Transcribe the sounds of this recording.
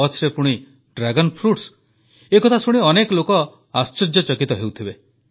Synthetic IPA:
ɔt͡ʃʰɾepuɽ̃i | ɖɾaɡɔnpʰɾuʈs | ekɔt̪ʰasuɽ̃iɔnekɔlokɔ | ast͡ʃɔd͡ʒɔt͡ʃɔkit̪ɔɦewt̪ʰibe

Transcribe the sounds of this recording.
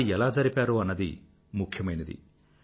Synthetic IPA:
iɛlaːd͡ʒɐɾipaːɾuːɐnːɐd̪ḭ | mukʰjɐmɐjnɐd̪ḭ

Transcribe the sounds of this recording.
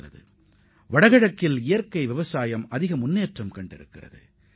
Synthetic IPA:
ɐ̰ðɯ̰ | ʋɐɽɐɣɐɽɐkːɪlɪjɐɾkɐɪʋɪʋɐsaːjɐmɐðɪɣɐmʊnːeːʈrɐmkɐɳɖɪ̰ɾɯ̰kːɪrɐ̰ðɯ̰

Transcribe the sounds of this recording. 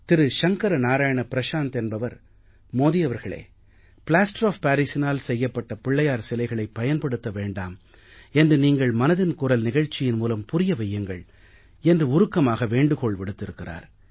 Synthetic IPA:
t̪ɪɾɯʃɐŋkɐɾɐnaːɾaːjɐɳɐpɪɾɐʂaːnt̪ɛnbɐʋɐɾ | moːðɪjɐʋɐɾɣɐɭḛː | pɪɭaːsʈɾoːfpaːɾisɪnaːlsɛjːɐpːɐʈːɐpɪɭːɐjaːɾsɪlɐɪɣɐɭɐɪpːɐjɐnpɐɽɯt̪ːɐʋeːɳɖaːm | ɛndrɯniːŋɡɐɭmɐnɐðɪnkʊɾɐlnɪɣɐɻt͡ʃːɪjɪnmuːlɐmpʊɾɪjɐʋɐjːɐŋɡɐ̰ɭ | ɛndrɯʊɾɯkːɐmaːɣɐʋeːɳɖɯkɔɭʋɪɽɯt̪ːɪɾɯkːɪra̰ːɾ

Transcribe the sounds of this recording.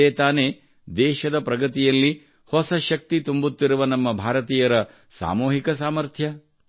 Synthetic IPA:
eːt̪aːne | d̪ɛːʃɐd̪ɐpɾɐɡɐt̪ijɐlːi | hɔsɐʃɐk̚t̪it̪umbut̪ːiɾuʋɐnɐmːɐbʱaːɾɐt̪iːjɐɾɐ | sa̰ːmuːɦikɐs̬aːmɐɾt̪ʰjɐ

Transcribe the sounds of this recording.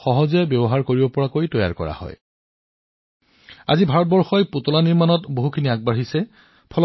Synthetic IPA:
xɔɦɔzɛbjɔbɔɦaɹkoɹibɔpɔɹakojtɔja̰ɹkɔ̰ɹa̰hɔ̰j | a̰zibʱaɹɔt̚bɔɹxɔjputɔlaniɹmanɔtboɦukʰiniaɡ̚baɹɦisɛ | pʰɔl

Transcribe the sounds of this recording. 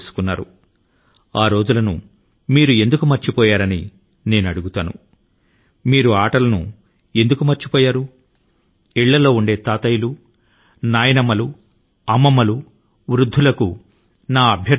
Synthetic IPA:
su̥kunːaːɾu | aːɾo̞ːd͡ʒulɐnṵ | miːɾue̞nd̪ukumɐɾt͡ʃipɔːjaːɾɐnḭ | ne̞ːnɐɽuɡut̪aːnṵ | miːɾuaːʈɐlɐnṵ | e̞nd̪ukumɐɾt͡ʃi̥pɔːjaːɾu | iɭːɐlo̞ːuɳɖe̞ːt̪aːt̪ɐjulu | naːjɐnɐmɐlu | ɐmːɐmɐlu | ʋɾud̪ʱːulɐku | naːɐbʱjɐ

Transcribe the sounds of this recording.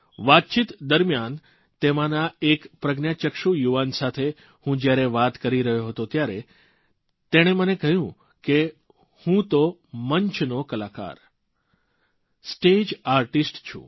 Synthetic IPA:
ʋat̪̚t͡ʃit̪d̪əɾmjan | t̪emãnaekpɾəɡnjat͡ʃəkʃujuʋansat̪ʰe | hũd͡ʒjaɾeʋat̪kəɾiɾəɦjoɦət̪ot̪jaɾe | t̪eɽ̃emənekəjũ | ke | hũt̪oməɲt͡ʃʰnokəlaka̰ɾ | sʈed͡ʒaɾʈisʈt͡ʃʰṵ̃

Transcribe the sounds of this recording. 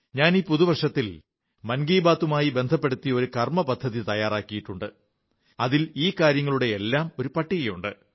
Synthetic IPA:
ɲaːniːpuðuʋɐrʂɐt̪ːil | mɐnɡiːbaːt̪ːumaːjibe̞nd̪ʱɐpːeɽut̪ːijɐo̞ɾukɐrmɐpɐd̪ʱːɐðit̪ɐjaːraːkːijiʈːuɳɖɨ | ɐðiliːkaːɾjɐŋːɐɭuɽe̞elːaːmo̞ɾupɐʈːiɣɐjuɳɖɨ̰

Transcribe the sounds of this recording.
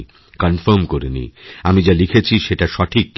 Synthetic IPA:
kɔnfoɾmkoɾenḭamid͡ʑalikʰet͡ɕʰiʃeʈaʃɔʈʰikː

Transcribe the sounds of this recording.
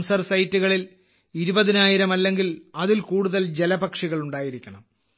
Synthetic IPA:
msɐrsɐjtːuɣɐɭil | iɾubɐðinaːjiɾɐmɐlːe̞ŋɡilɐðilkuːɽuðɐld͡ʑe̞lɐbɐkʂiɣɐɭuɳɖaːjiɾikʲːɐɳɐm

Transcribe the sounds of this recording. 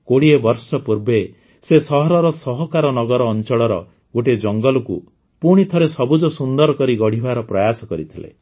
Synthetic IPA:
koɽiebɔɾsɔpuɾbe | sesɔɦɔɾɔɾɔsɔɦɔkaɾɔnɔɡɔɾɔːnt͡ʃɔɽɔɾɔ̰ | ɡoʈed͡ʒɔŋɡɔlɔku | puɽ̃it̪ʰɔɾesɔbud͡ʒɔsund̪ɔɾɔkɔɾiɡɔɽ̤ibaɾɔpɾɔjasɔkɔɾḭt̪ʰilḛ

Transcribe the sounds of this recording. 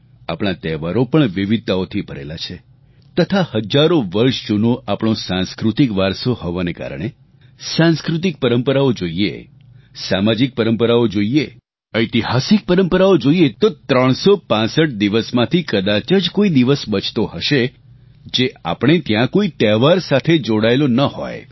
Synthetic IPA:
a̰pɳ̃at̪ɛʋaɾopəɳʋiʋid̪̚t̪aot̪ʰibʱəɾḛlat͡ʃʰe | t̪ət̪ʰahəd͡ʒaɾoʋəɾʃd͡ʒunoʔapɽ̃õsãnskɾut̪ikʋaɾsohoʋaneka̰ɾəɽ̃e | sãnskɾut̪̬ik̚pəɾəmpəɾaod͡ʒoiḛ | samad͡ʒik̚pəɾəmpəɾaod͡ʒoie | əjt̪iɦasik̚pəɾəmpəɾaod͡ʒoijet̪ot̪ɾəɳ̃sopãsəʈ̚d̪iʋəsmãt̪ʰikəd̪at͡ʃəd͡ʒkoid̪iʋəsbət͡ʃʰt̪ohəʃe | d͡ʒea̰pɽ̃et̪jãkoit̪ɛʋaɾsat̪ʰed͡ʒoɽaelonəho̰j

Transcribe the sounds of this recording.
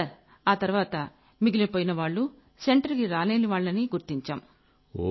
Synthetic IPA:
ɐɾ | aːt̪ɐɾuʋaːt̪ɐ | miɡilɐpoːjinɐʋaːɭːu | se̞ɳʈɐɾkiɾaːle̞ːniʋaːɭːɐniɡuɾt̪iɲt͡ʃaːm

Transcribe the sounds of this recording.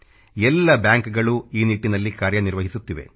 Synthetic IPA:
ɛlːɐbjaːŋkɡɐɭuiːniʈːinɐlːikaːɾjɐniɾʋɐɦisut̪ːiʋe̞̰

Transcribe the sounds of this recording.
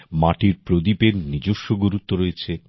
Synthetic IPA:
maʈiɾpɾod̪ipeɾnid͡ʑoʃːoɡoɾut̪ːoɾojet͡ɕʰe

